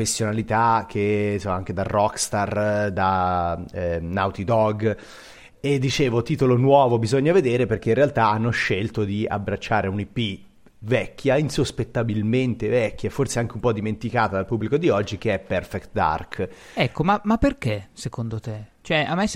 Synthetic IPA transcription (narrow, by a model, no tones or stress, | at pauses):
fesːjonalit̪ak̟ʰːesoaŋk̟ed̪arːɔkst̪ard̪a | nawt̪id̪ɔɡ | ed̪ːit͡ʃeːvot̪iːt̪olonwɔːvobizoɲːaved̪eːɾeperk̟einrealt̪aanːoʃːelt̪od̪ia̰bːɾat͡ʃːaːɾeunipːi | vɛkːjainsospet̪ːabilment̪evɛkːjaeforseaŋk̟eumpɔd̪iment̪ikaːt̪ad̪alpubːlikod̪iɔd͡ʒːik̟eɛpːɛrfɛkt̪d̪a̰rkɛkːomamapːerkesekond̪ot̪et͡ʃoɛamːe